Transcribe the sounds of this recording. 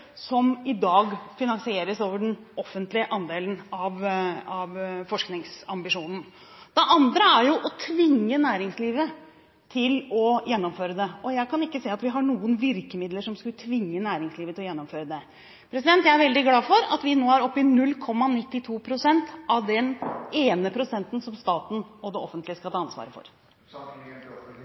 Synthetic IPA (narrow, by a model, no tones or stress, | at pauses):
sɔmɪd̪ɑːɡfɪnɑŋsɪeːɾəsoːʋəɖɛnɔfːənt̪lɪəʔɑnd̪eːln̩ɑʋɑʋfɔʂknɪŋsɑmbɪʂuːnn̩ | d̪̥ɛʔɑnd̪ɾəæɾjʊʔɔt̪ʰʋɪŋːənæːɾɪŋsliːʋə | t̪ʰɪlɔjɛnːɔmføːɾəd̪ɛɔjæɪkʰɑnɪkːəseːɑt̪ʋɪɦɑɳuːənʋɪɾkəmɪd̪ləʂɔmskʉlt̪ʰʋɪŋːənæːɾɪŋsliːʋət̪ʰɪlɔjɛnːɔmføːɾəd̪ɛ | pʰɾɛsɪd̪ɛnt̪jæɪæɾʋɛld̪ɪɡlɑːfɔɾɑ̰t̪ʋɪnoːhæɾɔpːɪnʉlkʰɔmːɑnɪt̪ːɪt̪ʰuːpʰɾʊsɛnt̪ɑʋd̪ɛneːnəpʰɾʊsɛnt̪ən̩sɔmst̪ɑːt̪n̩ɔd̪ɛɔfənt̪lɪəskɑt̪ʰɑːɑnsʋɑ̰ːɾəfɔ̰ɾ